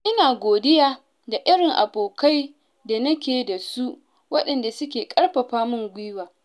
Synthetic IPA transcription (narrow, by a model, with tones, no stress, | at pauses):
ʔɪ˦naː˨ɡʷoː˨dɪ˦jaː˦ | da˨ʔɪ˦ɽɪ˨ŋʔa̰˨boː˨ka˦j | da˨nɐ˦kʲeː˨da˨su˦ʔ | wɐ˦ɗɐ˨nda˨sʊ˦kʲeː˨kʼɐ˦rɸɐ˨ɸaː˦mʊ˦ŋɡʷiː˦waː˨